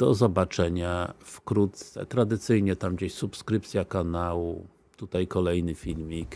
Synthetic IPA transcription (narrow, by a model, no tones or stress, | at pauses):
d̪̥ɔzɔbat͡ʂɛɲafkɾut̪̚sɛ̰t̪ɾad̪ɘt̪sɘjɲɛt̪amɡd͡ʑeɕsupskɾɘp̚t̪sʲjakanawu | t̪ut̪ajkɔlɛjnɘfʲilmʲik